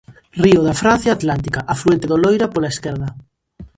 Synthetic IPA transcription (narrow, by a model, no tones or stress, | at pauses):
rioðafɾan̟θjaːt̪lant̪ikaʔafluent̪eðolojɾapolaeskɛɾða